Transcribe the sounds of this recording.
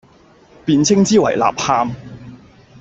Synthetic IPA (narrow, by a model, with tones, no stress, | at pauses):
piː˨˧nt͡sʰɪ˥ŋt͡siː˥wɐ̰˨˩jla̰ː˨p̚haː˧m